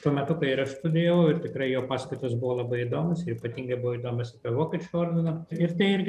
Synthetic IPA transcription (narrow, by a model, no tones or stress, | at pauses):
t̪uɔmʲɛt̪ʊkɐɪɪɾɐʃst̪ʊd̪ʲeːjʋɛʊɪrt̪ʲɪkrɐɪjoːpɑːskɐɪt̪ɐsbʊʋoːlˠɐbɐɪid̪oːmʊsɪɾiːpɐt̪ʲiːŋɡɐɪbʊʋoid̪oːmʲɛsɐpʲiɛʋoːkʲet͡ʃʲʊoːrʲd̪ʲɪnɐɪrt̪ɐɪɪɾʲɡʲɪ